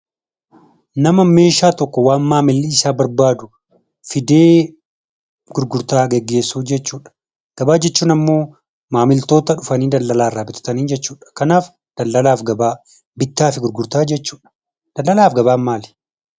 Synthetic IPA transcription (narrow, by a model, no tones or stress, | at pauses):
nɐmɐme̞ːʃaːt̪ɔkːɔwaːnmaːmɪlːiɪsaːbɐɾbaːd̪ʊ | fɪd̪e̞ː | ɡ̥ʊɾɡʊɾt̪aːɡɛɡːe̞ːsːuːfd͡ʒɛt͡ʃːuːᶑɐ̥ | ɡ̥ɐbaːd͡ʒɛt͡ʃːuːnɐmːo̞ː | maːmɪlt̪o̞ːt̪ɐᶑʊfɐniːd̪ɐlːɐlaːɪrːaːbɪt̪ʊ̥t̪ɐniːnd͡ʒɛt͡ʃːuːᶑɐ̥kɐnaːf | d̪̥ɐlːɐlaːfɡɐbaː | bɪt̪ːaːfɪɡʊɾɡʊɾt̪aːd͡ʒɛt͡ʃːuːᶑɐ̥ | d̪̥ɐlːɐlaːfɡɐβaːmaːl